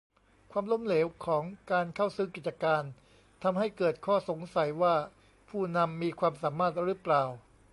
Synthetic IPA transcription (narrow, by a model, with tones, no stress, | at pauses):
kʰwaː˧mlo˧˥˨mleː˩˦wkʰɔː˩˦ŋkaː˧nkʰa˥˩wsɯː˥˩ki˨˩t̪̚t͡ɕa˧kaː˧n | t̪ʰa˧mɦa˥˩jkɤː˨˩t̪̚kʰɔː˥˩so˩˦ŋsa˨˩jwaː˥˩ | pʰuː˥˩na˧mːiː˧kʰwaː˧msaː˩˦maː˥˩t̪̚ɾɯ˦˥plaː˨˩w